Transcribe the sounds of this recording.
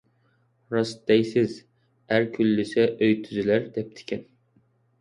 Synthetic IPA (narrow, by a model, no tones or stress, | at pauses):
ɾɑsd̪ɛjsɪz | æɾkʲʰylːɪsɛʔøjt̪ʰyzylæɾd̪ɛp̚t̪ʰɪ̥kʲʰɛn